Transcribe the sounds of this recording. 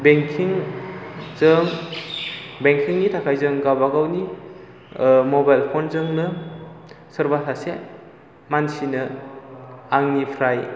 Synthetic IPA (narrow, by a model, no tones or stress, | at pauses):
beŋkʰiŋ | zɯŋ | beŋkʰiŋnitʰakʰajzɯŋɡabaɡawni | mobajlpʰonzɯŋnɯ | səɾbasase | mansinɯ | aŋnipʰɾaj